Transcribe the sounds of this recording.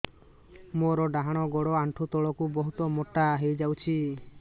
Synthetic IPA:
moɾɔɖaɦaɽ̃ɔɡɔɽɔaɳʈʰut̪ɔɭɔkubɔɦut̪ɔmɔʈaɦejd͡ʒawt͡ʃʰi

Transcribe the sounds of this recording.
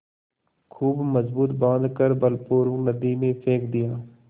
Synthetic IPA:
kʰuːbməzbuːt̪bãːnd̪kəɾbəlpuːɾʋəknəd̪imẽpʰeːkd̪ɪjaː

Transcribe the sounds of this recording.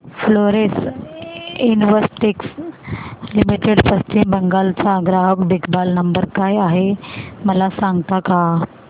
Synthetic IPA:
floɾes | inʋəsʈiks | limiʈeɽpəst͡ɕimbəŋɡalt͡saːɡɾaɦəkb̪ikʰbalnəmbəɾkajaɦeməlasãŋɡt̪akaɦa

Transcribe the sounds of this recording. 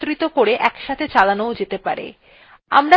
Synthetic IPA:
t̪ɾit̪okoɾeʔɛkʃat̪ʰet͡ɕalanood͡ʑet̪epaɾḛ | a̰mɾa

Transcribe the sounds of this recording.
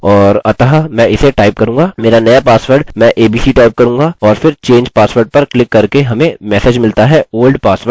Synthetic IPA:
ɔːɾɐt̪aɦamɛ̃ɪseʈaːɪp̚kɐɾũːŋɡaːmeːɾanɐjapaːsʋəɾɖmɛ̃ːʔeːbiːsiʈaːɪp̚kɐɾũːŋɡaːɔːɾfɪɾt͡ʃẽːɲd͡ʒpaːsʋəɾɖ̚pɐɾklɪkːɐɾkeɦɐmẽmɛːseːd͡ʒmɪlt̪aɦɛoːlɖpaːsʋəɾ

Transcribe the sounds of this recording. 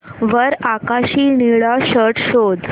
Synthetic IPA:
ʋəɾakaɕiːniɭaɕəʈɕod̪

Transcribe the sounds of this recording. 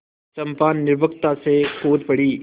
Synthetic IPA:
t͡ʃəmpaːnːɪɾbʱəkt̪asekʰoːt̪pəɽiː

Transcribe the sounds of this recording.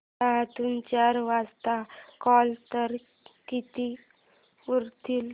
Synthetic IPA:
aɦt̪unt͡ɕaɾʋast̪akɔlt̪əɾ | kit̪i | uɾt̪il

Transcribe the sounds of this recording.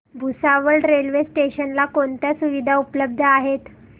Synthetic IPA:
bʱusaʋəɭɖɾelʋesʈeɕənlakoɳt̪jasuʋid̪ʱaupləb̚d̪ʱəaɦet̪

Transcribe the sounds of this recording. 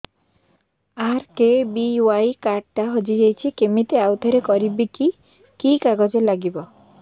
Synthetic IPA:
aɾkebiwajkaɖʈaɦod͡ʒid͡ʒejt͡ʃʰikemit̪eawt̪ʰɔɾekɔɾibiki | kikaɡɔd͡ʒelaɡibɔ

